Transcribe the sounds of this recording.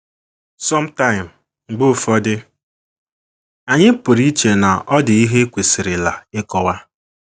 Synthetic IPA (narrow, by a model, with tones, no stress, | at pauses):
sɔ˦m̩˦ta˦ɪ̃˨m̩ | ŋ͡m̩˨ɡ͡bʊ˦˨fɔ˦dɪ˦ | a˨ɲɪ˦pʊ˨ɾi˦t͡ʃe˨na˨ʔɔ˦dɪ˨i˦ɦe˦kʷe˨sɪ˨ɾɪ˨la˨ɪ˦kɔ˨wa˦